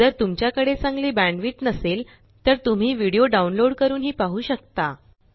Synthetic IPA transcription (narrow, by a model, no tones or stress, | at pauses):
əɾt̪umt͡ɕjakəɽet͡sãŋɡliːbæ̃ɳɖʋiːʈnəsel | t̪əɾt̪um̤iːʋiɽijoɖaunloɽkəɾuːnɦiːpaɦuːɕəkt̪a